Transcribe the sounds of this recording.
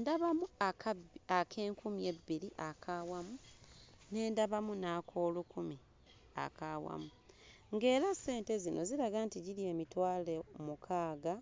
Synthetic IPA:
ndaβamuakakʰe̞ːŋkumie̞bːiliʔakʰawamu | ne̞ːndaβamunakʰo̞ːlukumi | a̰kawa̰mu | ŋɡe̞ːɾase̞ːnte̞zino̞ziɾaɡantiɟiɾie̞ːmitwaːlemukʰaːɡa

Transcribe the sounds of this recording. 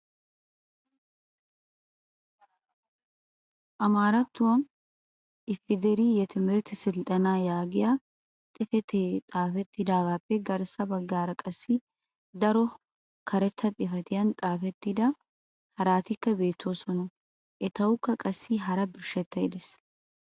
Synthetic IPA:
ʔɐmaːɾɐt̪ːʊwɐn | ʔɪfːɪd̪ɛɾijɛt̪ɪmɪɾt̪ɪsɪlt̪ʼɐnaːjaːɡɪjaː | t̪ʼɪfɛt̪ʰeːt̪ʼaːfɛt̪ːɪd̪aːɡaːpːɛɡɐɾsɐbɐɡːaːɾɐkʼɐsːɪ | d̪ɐɾɔ | kʰɐɾɛt̪ʰːɐt̪ʼɪfɐt̪ɪjɐnt̪ʼaːfɛt̪ːɪd̪ɐ | hɐɾaːt̪ɪkːɐbe̞ːt̪ʰːoːsɔnɔ | ʔɛt̪ɐwʊkːɐkʼɐsːiɦɐɾɐbɪɾʃɛt̪ːɐɪd̪ɛs

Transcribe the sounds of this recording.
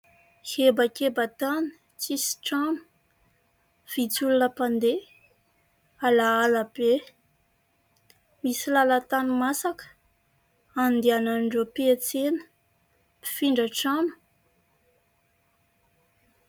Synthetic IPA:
hebakʲebat̪ani̥ | t͡sisi̥ʈ͡ʂamə̥ | v̥it͡sulunəpand̪e | alaːlab̥e | misilalat̪animasakə̥ | and̪iananɳɖ͡ʐopiet͡senə̥ | pi̥fiɳɖ͡ʐəʈ͡ʂamə̥

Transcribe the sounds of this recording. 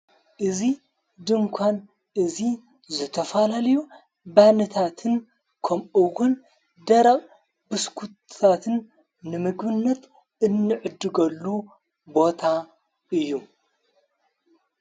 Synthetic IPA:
ʔɨzi | d̪ɨmkʷʰan | ʔɨzi | zɨt̪ʰɐfɐlalɐju | banɨt̪ʰat̪ʰɨn | kʰɐmɨɣun | d̪ɐɾɐqʼ | bɨskʰut̪ʰat̪ʰɨnː | ɨmɨɡbɨnːɐt̪ | ɨnːɨʕɨd̪ɨɡɐlːu | bo̞t̪ʰa | ɨjːu

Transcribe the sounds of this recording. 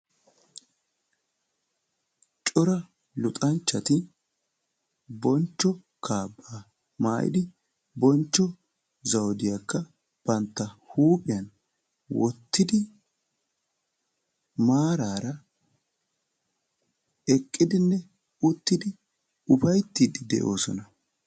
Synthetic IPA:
t͡ʃʼɔɾɐ | lʊt̪ʼɐnt͡ʃːɐt̪ɪ | bɔnt͡ʃːɔ | kʰaːbːaː | maːʔɪ̰d̪ɪ | bɔnt͡ʃːɔ | zɐwd̪ɪjɐkːɐ | b̥ɐnt̪ːɐhuːpʼɪjɐn | wɔt̪ːɪd̪ɪ | maːɾaːɾɐ | ɛkʼːɪd̪ɪnːɛ | ʊt̪ːɪd̪ɪ | ʊfɐjt̪ːiːd̪ɪd̪ɛ̰ʔo̞̰ːsɔnɐ

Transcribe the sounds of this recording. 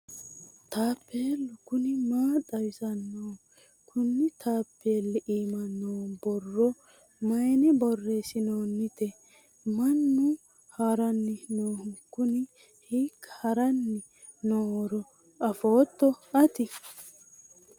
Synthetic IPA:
t̪aːpːeːlʊkʊnɪmaːt̪ʼɐjɪsɐnːoː | kʰʊnːɪt̪ʰaːpːelɛʔiːmɐnːoːbɔrːɔ | mɐjnɛbɔrːeːsɪnoːnːɪt̪ɛ | mɐnːʊ | haːɾɐnːɪnoːhʊkːʊnɪ | hikːhɐɾɐnːɪ | noːɔɾɔ | ɐfoːt̪ːɔɐt̪ɪ

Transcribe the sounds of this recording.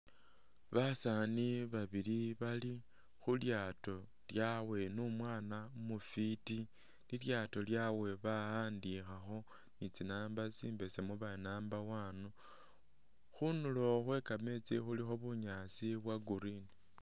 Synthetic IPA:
βasaniβaβiliβali | xuljaːto̞ | ljawe̞numwaːnamufiti | liljato̞ljawe̞βaaːndixaxo̞ | nit͡sinaːmbasiːmbe̞semuβanaːmbawaːnu | xunulo̞xwe̞kame̞t͡sixulixo̞βuɲat͡siβwaɡuɾini

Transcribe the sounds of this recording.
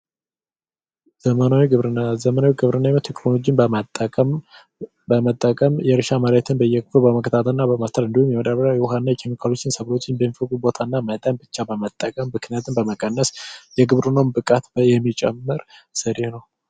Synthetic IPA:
zəmənawiɡɨβɾzəmənawiɡɨβɾɨnːaimət̪ʰːeknolo̞d͡ʒinbəmat̪ʼːəkʼəm | bəmət̪ʼːəkʼəmjɛɾɨʃaməɾat̪ʰɨnbəjɛkʰʼɨfɨɾbəməkʰət̪ʰat̪ʰəɨnːabəmast̪ʰəlɨnd̪ihumjɛwɔd̪aβəɾajɛwɦaɨnːajɛkʰemikʰalo̞t͡ʃːɪnsəβlo̞t͡ʃːɪnbəmːifəkʼubo̞t̪ʰanːamət̪ʼanbɨt͡ʃːabəmət̪ʼːəkʼəmːɨknijat̪ʰɨnbəməkʼənːəsjɛɡɨβɾɨnawnbɨkʼat̪bjɛmːit͡ʃʼɛ̰mːɨɾsɨɾehnəw

